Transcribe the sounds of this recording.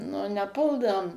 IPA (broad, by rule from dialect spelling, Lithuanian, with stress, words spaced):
nʊ nʲɛˈpʊlˠdɐʋoːm